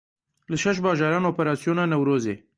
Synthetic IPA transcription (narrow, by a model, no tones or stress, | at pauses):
ləʃaʃ̬bɑːʒɑːɾɑːnoːpeɾɑːsijonɑnawɾoːzḛ